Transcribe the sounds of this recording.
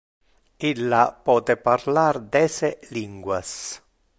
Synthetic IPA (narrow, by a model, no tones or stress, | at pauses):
ilːapɔːt̪eparlard̪ɛseliŋɡwas